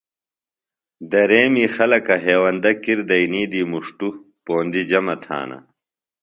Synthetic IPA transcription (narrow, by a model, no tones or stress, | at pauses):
d̪ɐɾeːmiːxɐlɐkɐɦeːwɐnd̪ɐkiɾd̪ɐiniːd̪iːmuʂʈu | poːnd̪id͡ʑɐmɐt̪ʰa̰ːnɐ̰